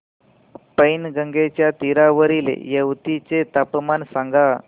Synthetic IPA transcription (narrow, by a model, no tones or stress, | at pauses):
pəjnɡəŋɡet͡ɕjat̪iɾaʋəɾilḛjəwt̪it͡set̪apmansaŋɡa